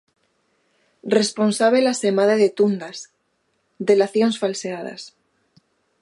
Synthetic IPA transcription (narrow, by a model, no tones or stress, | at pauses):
responsaβ̞elasemaðeðet̪und̪as | d̪elaθjonsfalseaða̰s